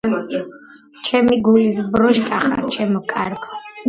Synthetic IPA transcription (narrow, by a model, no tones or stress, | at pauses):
t͡ʃʰɛmiɡulis̬bɾɔʃkʼaχa̰ɾt͡ʃʰɛmɔkʼaɾɡɔ